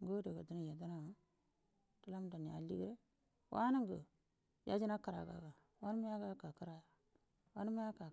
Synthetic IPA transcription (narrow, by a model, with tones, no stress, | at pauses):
ŋɡo˦de˨ɡa˨du˦ni˦˨ja˨da˦na˨ | tə˦la˦m˦da˨n˨a̰˨˦lḭ˦ɡɾe˦ | wʔa̰˦ni˦ŋɡə̰˨ | ja̰˦d͡ʒi˦na˦ka˨ɾa̰˨ɡa̰˨ɡa˨ | wa˦n˦mi˦ja˦ɡa˦ka˨ka˦ɾa˦ja˨ | wa˦ni˦mi˦ja˦ka˨